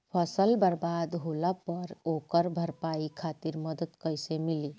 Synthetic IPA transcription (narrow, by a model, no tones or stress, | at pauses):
pʰəsəlbaɾbad̪ɦolapəɾokəɾbʱəɾpaikʰat̪iɾməd̪ət̪kəjsemili